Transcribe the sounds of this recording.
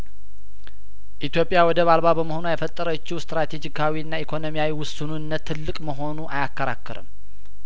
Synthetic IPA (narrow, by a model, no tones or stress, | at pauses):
ʔit̪jo̞pʼɪjawɔd̪əβalβabəməho̞nuajɛfət̪ʼːəɾət͡ʃːɪwst̪ɾat̪ʰe̞d͡ʒikʰawiɨnːaikʰo̞nomijawiwʊsununːət̪ʰːɨlːɨkʼməɦo̞nuʔajakːəɾa̰kʰːəɾɨ̰m